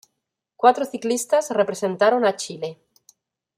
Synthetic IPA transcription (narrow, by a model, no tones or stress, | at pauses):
kwat̪ɾoθiklist̪azrepɾesẽ̞nt̪aɾonat͡ʃile̞